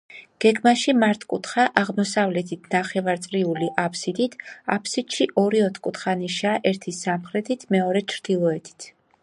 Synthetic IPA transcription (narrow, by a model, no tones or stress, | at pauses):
ɡ̥ɛɡmaʃimaɾt̪ʰʼkʼut̪ʰχaʔaʁmɔsavlɛt̪ʰit̪ʰnaχɛvaɾt̪sʼɾiuliʔapʰsid̪it̪ʰa̰pʰsid̪̥ʃiʔɔɾiɔt̪ʰkʼut̪ʰχaniʃaʔɛɾt̪ʰisamχɾɛt̪ʰit̪ʰmɛɔɾɛt͡ʃʰɾd̪̥ilˠɔɛt̪ʰi̥t̪ʰ